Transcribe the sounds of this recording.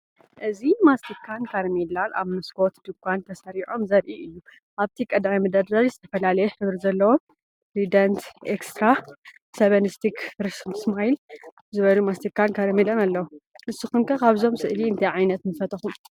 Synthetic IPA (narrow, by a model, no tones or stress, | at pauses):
ʔɨzimast̪ikʰankʰaɾmilana̰βmɨskʰo̞t̪d̪ɨkʰʷʼːant̪ʰɐsɐɾiʕo̞mzɐɾʔiʔɨjːu | ʔaβt̪ʰikʼɐd̪majmɨd̪ɐdɾalizɨt̪ʰɐfɐlalɐjɛħɨβɾizɐlːɐwo | pɾid̪ɐnt̪ekst̪ɾa | sɐβɐnɨst̪ʰikʰɾɨsmsmajl | zɨβɐlumast̪ikʰankʰaɾmilɐnalːɐwoʔɨsːuxunkʰɐkaβzo̞msɨʔliɨnt̪ʰɐjʕajnɐt̪nɨfɐt̪ʼʰɐxum